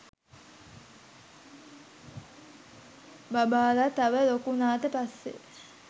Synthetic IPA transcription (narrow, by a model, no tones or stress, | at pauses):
babaːlat̪aʋəlokunaːt̪əpasːḛ